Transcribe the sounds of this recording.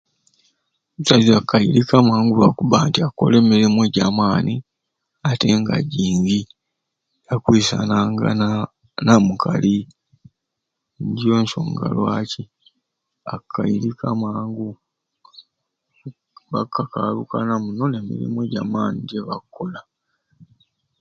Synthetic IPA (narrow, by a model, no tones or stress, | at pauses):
usaziakʰːajiɾikamaːŋɡulakuβaːntiakːo̞̰le̞ːmiɾimweɟaːmaːni | ate̞ŋɡa̰ɟiːŋɡi | jakwiːsa̰naŋɡa̰ | namukʰali | ndio̞ːnʃo̰ːŋɡa̰lwaci | akʰːajiɾikʰamaːŋɡu | βakːaka̰lukanamuno̞ne̞mḭɾḭmweɟaːmaːniɟeβakʰːo̞la